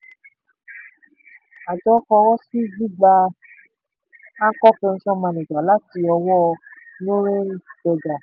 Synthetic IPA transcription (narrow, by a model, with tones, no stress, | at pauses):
a˨d͡ʒɔ˨˦kɔ˧wɔ˦si˦ɡ͡bi˦ɡ͡ba˧ | ã˦kɔ˦pe˧ñ̩˧ʃɔ̃˦mã˧nĩ˨ɡ͡ba˨la˦ti˧ɔ˧wɔ˦˧ | nõ˦ɾẽ˦˨d͡ʒɔ˧d͡ʒa˨